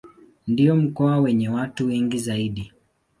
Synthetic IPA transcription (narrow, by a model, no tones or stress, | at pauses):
ndiɔm̩kɔawɛɲɛwatuwɛŋɡizaiɗi